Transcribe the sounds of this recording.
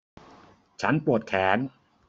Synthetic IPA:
t͡ɕʰa˦˥npɾu˨˩ət̪̚kʰɛː˩˦n

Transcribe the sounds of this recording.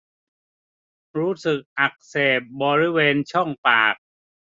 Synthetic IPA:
ɾuː˦˥sɯ˨˩k̚ʔa˨˩k̚seː˨˩p̚bɔː˧ɾi˦˥weː˧nt͡ɕʰɔ˥˩ŋpaː˨˩k̚

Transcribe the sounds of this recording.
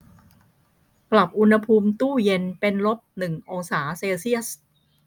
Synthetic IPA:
pla˨˩p̚ʔu˧nha˧pʰuː˧mt̪uː˥˩je˧npe˧nlo˦˥p̚nɯ˨˩ŋʔoː˧ŋsaː˩˦seː˧wsi˥˩əs

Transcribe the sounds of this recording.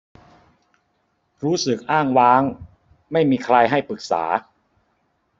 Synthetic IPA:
ɾuː˦˥sɯ˨˩k̚ʔaː˥˩ŋwaː˦˥ŋ | ma˥˩jmiː˧kʰɾa˧jɦa˥˩jpɯ˨˩k̚sa̰ː˩˦

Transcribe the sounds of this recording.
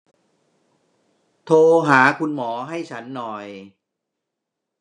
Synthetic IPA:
t̪ʰoː˧ɦaː˩˦kʰu˧nmɔː˩˦ɦa˥˩jt͡ɕʰa˦˥nːɔː˨˩j

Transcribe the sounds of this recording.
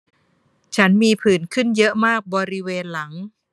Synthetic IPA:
t͡ɕʰa˦˥nmiː˧pʰɯː˩˦nkʰɯ˥˩njɤ˦˥ʔmaː˥˩k̚bɔː˧ɾi˦˥weː˧nla˩˦ŋ

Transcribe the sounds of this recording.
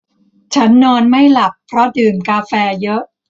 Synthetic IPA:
t͡ɕʰa˦˥nːɔː˧nma˥˩jla˨˩pʰːɾɔ˦˥dɯː˨˩mkaː˧fɛː˧jɤ˦˥ʔ

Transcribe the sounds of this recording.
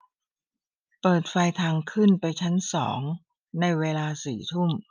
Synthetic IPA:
pɤː˨˩t̪̚fa˧jt̪ʰaː˧ŋkʰɯ˥˩npa˧jt͡ɕʰa˦˥nsɔ̰ː˩˦ŋ | na˧jweː˧laː˧siː˨˩t̪ʰu˥˩m

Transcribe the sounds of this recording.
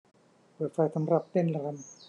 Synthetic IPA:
pɤː˨˩t̪̚fa˧jsa˧˦mɾa˨˩p̚t̪e˥˩˨n˧ɾa˧n

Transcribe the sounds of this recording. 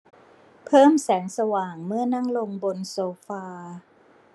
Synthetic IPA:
pʰɤː˥˩msɛː˩˦ŋsa˧waː˨˩ŋmɯ˥˩ɐna˥˩ŋlo˧ŋbo˧nsoː˧faː˧

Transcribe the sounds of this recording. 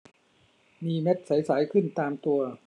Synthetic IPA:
miː˧me˦˥t̪̚sa˩˦jsaː˩˦jkʰɯ˥˩nt̪aː˧mt̪u˧ɐ

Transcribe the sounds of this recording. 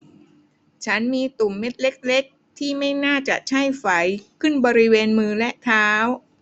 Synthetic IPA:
t͡ɕʰa˦˥nmiː˧t̪u˨˩mːe˦˥t̪̚le˦˥k̚le˦˥k̚ | t̪ʰiː˥˩ma˥˩jnaː˥˩t͡ɕa˨˩ʔt͡ɕʰa˥˩jfa˩˦jkʰɯ˥˩nbɔː˧ɾi˦˥weː˧nmɯː˧lɛ˦˥ʔt̪ʰaː˦˥w

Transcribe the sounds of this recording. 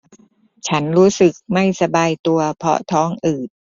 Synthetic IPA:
t͡ɕʰa˦˥nɾuː˦˥sɯ˨˩k̚ma˥˩jsa˧baː˧jt̪u˧ɐpʰɔ̰˦˥t̪ʰɔː˦˥ŋʔɯː˨˩t̪̚

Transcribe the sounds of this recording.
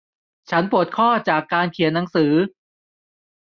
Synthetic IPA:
t͡ɕʰa˦˥npu˨˩ət̪̚kʰɔː˥˩t͡ɕaː˨˩kːaː˧nkʰi˨˩˦ənːa˩˦ŋsɯː˩˦

